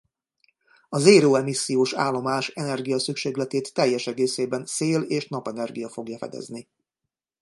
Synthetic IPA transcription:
ɒzeːɾoːɛmisːijoːʃa̰ːlːo̞maːʃɛnɛrɡijɒsykʃeːɡlɛt̪eːt̪ːɛjːɛʃɛɡeːseːbɛnseːleːʃnɒpɛnɛrɡijɒfo̞ɡjɒfɛ̰d̪ɛ̰zni

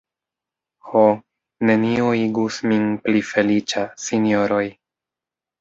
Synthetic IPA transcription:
ho | ne̞nioiɡusminplife̞lit͡ʃasinjo̞ɾo̞j

